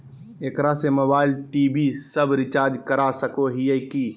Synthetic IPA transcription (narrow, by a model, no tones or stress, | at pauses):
eːkɾasemobaːɪlʈiːbisəbɾɪt͡ʃaːɾd͡ʒkəɾasəkoɦijəki